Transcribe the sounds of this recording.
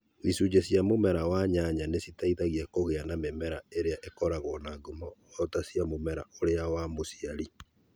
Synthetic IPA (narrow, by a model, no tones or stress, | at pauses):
ðisud͡ʑesjamomɛɾawaɲaɲanesitaiðaɣiakoɣeanamemɛɾaeɾeaʔekɔɾaɣɔnaɡomɔwɔtasjamomɛɾa̰oɾeawamosiaɾi